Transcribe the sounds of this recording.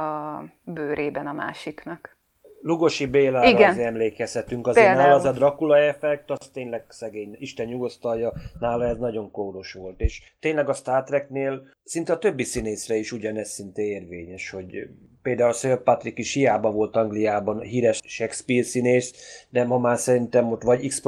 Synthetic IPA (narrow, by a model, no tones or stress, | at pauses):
ɒ | bøːɾʔeːbɛnɒma̰ːʃiknɒk | luɡo̞ʃibeːlaːiɡɛneɛmleːkɛshɛt̪yŋkɒzenaːlzɛd̪rɒkulɒɛfɛk̚t̪ɒst̪eːɲlɛɡsɛɡeːɲiʃt̪ɛnjuɡost̪ɒljɒnaːlɒɛznɒɟo̞ŋkoɾo̞ʃʋo̞lt̪eːʃt̪eːɲlɛɡɒst̪aːrt̪rɛkneːl | sint̪ɛɒt̪ø̞bːisineːsrɛiʃuɟɒnɛssint̪eeːrveːɲɛʃho̞ɟ | peːld̪aːulsøpɒt̪rikiʃhijaːbɒvo̞lt̪ɒŋɡlijaːbɒnɦiːɾɛʃʃɛkspiːrsineːsd̪ɛmɦɒmaːsɛɾint̪ɛmːot̪ʋɒɟiksp